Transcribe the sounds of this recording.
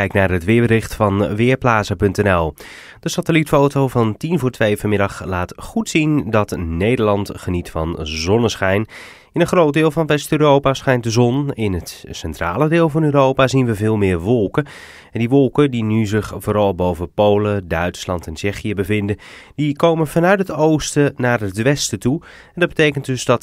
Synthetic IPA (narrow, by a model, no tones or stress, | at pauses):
ɛjknaːɹɦətʋɪːəbəɾɪχtfɑnʋɪːɹplaːzəpɵntɛnɛlˠ | d̥əsatəlitfowtowvɑntinvʊːɹtʋejvɑɹmɪdɑχlaːtχutsindɑtnejdəɹlɑntχənitfɑnzɔnəsχɛjn | ɪnənχrowd̚dɪːlˠvɑnʋɛstøːrowpasχɛjntdəzɔnɪnɦətsɛntra̰ːlədɪːlˠvɑnøːɾowpaːzinʋəvɪːlˠmɪːɹʋɔlˠkə | ɛndiʋɔlˠkədinyzɪχvoːɾɑlˠbowvəpowlədœɥtslɑntɛnt͡ʃɛχiəbəvɪndəndikowmənvɑnœɥtɦətowstənaːɹətʋɛstətu | ɛndɑd̚bətejkəntdɵzdɑt